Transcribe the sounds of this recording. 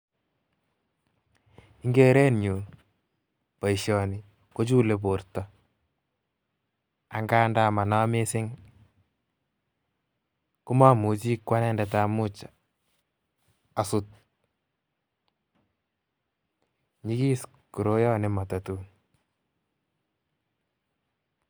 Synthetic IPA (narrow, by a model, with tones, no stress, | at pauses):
i˦ŋɡe˦ɾe˦nɲu˨n | pa˨iʃjɔ˨ni˨ | ko˦t͡ʃu˦le˨po˨rtɔ˨˦ | a˨ŋɡaː˦nda˦ma˨na˦me˦sɪ˦ŋ | ku˦ma˦mu˨t͡ʃi˦kwa˦nɛ˦ndɛ˨ta˨mu˦t͡ʃ | a˨sut̚ | ɲi˦ki˦s | ku˨ɾo˦jɔ˦nɪ˨ma˨ta˨tu˦n